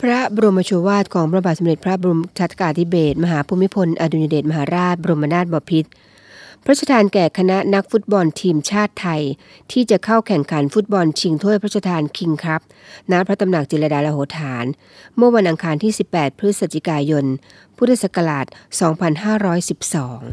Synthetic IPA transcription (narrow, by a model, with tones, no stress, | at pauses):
pʰɾa˦˥bɔ˧ɾo˧mːa˧t͡ɕʰu˧waː˥˩t̪̚kʰɔː˩˦ŋpɾa˧ba˨˩t̪̚sa˨˦mɾe˨˩t̪̚pʰɾa˦˥bu˧mt͡ɕʰa˦˥t̪ʰːkaː˧t̪ʰi˦˥beː˨˩t̪̚ma˧ɦaː˩˦pʰuː˧mːi˦˥pʰo˧nʔaː˧du˧ɲja˧deː˨˩t̪̚ma˧ɦaː˩˦ɾaː˥˩t̪̚bɔ˧ɾo˧mʔa˧naː˥˩t̪̚bɔː˧pʰi˦˥t̪̚ | pʰɾsʰa˧t̪ʰaː˧nkɛː˨˩kʰa˧na˦˥na˦˥k̚fu˦˥t̪̚bɔ˧nt̪ʰiː˧mt͡ɕʰaː˥˩t̪ʰːa˧j | t̪ʰiː˥˩t͡ɕa˨˩kʰa˥˩wkʰɛ˨˩ŋkʰa˩˦nfu˦˥t̪̚bɔ˧nt͡ɕʰi˧ŋt̪ʰu˥˩əpʰɾsʰa˧t̪ʰaː˧nkʰi˧ŋkʰɾa˦˥p̚na˦˥pʰɾa˦˥t̪a˧mna˨˩k̚t͡ɕi˨˩la˧daː˧laː˧hoː˩˦t̪ʰaː˩˦n | mɯ˥˩ɐwa˧nʔa˧ŋkʰaː˧nt̪ʰiː˥˩si˨˩pːɛː˨˩t̪̚pʰɾɯ˦˥t̪̚sa˨˧˩t͡ɕ̪ʰi˨˧˩kaː˧jo˧n | pʰuː˥t̪ʰa˥˩sa˧˩ka˧laː˨˩t̪̚sɔː˩˦ŋpʰa˧nɦaː˥˩ɾɔː˦˥jsi˨˩p̚sɔː˩˦ŋ